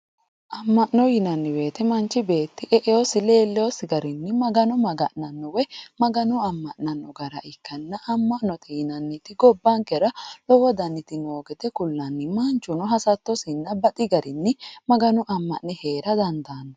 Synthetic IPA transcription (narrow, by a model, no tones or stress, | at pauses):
ʔɐmːɐʔnɔjɪnɐnːɪwe̞ːt̪ɛmɐnt͡ʃːɪbe̞ːt̪ːɪʔɛʔɛjɔsɪle̞ːlːɛɔsɪɡɐɾɪnːɪmɐɡɐnɔmɐɡɐ̰ʔnɐnːɔwɛmɐɡɐnʊɐmːɐʔnɐnːɔɡɐɾɐ̰ʔɪkːɐnːɐʔɐmːɐʔnɔt̪ʰɪjɪnɐnːɪt̪ɪɡɔbːɐŋkɛɾɐlɔwɔd̪ɐnːɪt̪ɪnoːɡɛd̪ɛkʊlːɐnːɪmɐnt͡ʃːʊnɔɦɐsɐt̪ːɔsɪnːɐbɐt̪ʼɪɡɐɾɪnːɪmɐɡɐnʊʔɐmːɐʔnɛhe̞ːɾɐd̪ɐnd̪aːnːɔ